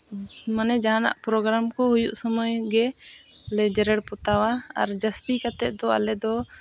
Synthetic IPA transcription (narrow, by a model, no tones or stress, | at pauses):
manɛd͡ʒaana̰ʔpɾɔɡɾamkɔhujuʔsəmɔjɡɛlɛd͡ʒɛɾɛɽpɔt̪awaa̰ɾd͡ʒəst̪ikat̪ɛd̪ɔa̰lɛd̪ɔ